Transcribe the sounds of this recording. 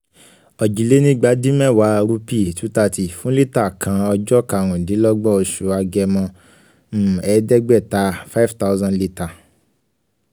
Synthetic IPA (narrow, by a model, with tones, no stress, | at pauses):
ɔ˨d͡ʒi˨le˦nĩ˦ɡ͡ba˨˦dĩ˦mɛ̃˦˨wa˨˦ɾu˧pi˦˨tu˨˦ta˧ti˨fũ˦li˦ta˦˨kʰã˧ɔ˧d͡ʒɔ˦ka˧˨ɾ̃ũ˨dĩ˨˦lɔ˦ɡ͡bɔ˦˨o˧ʃu˧˨a˧ɡɛ˧mɔ̃˧ | m̩˦˨ɛ˨˦dɛ˦ɡ͡bɛ˦˨ta˨˦fa˦fta˦zã˧nli˦ta˨